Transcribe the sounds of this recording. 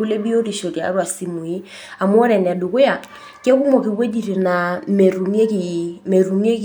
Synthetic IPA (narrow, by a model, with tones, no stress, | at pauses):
u˦le˦bi˦o˦ɾi˨ʃo˨ɾja̰˨˦ɾwa˨si˨mu˨i˦ | a˨mwɔ˦ɾɛ˨n˨a˨du˨ko˦ja˨ | ke˦ku˦mɔ˨ki˨βe˦di˨ɾe˨na˨m˨ɾu˨me˦ki˨me˨ɾu˨mje˦k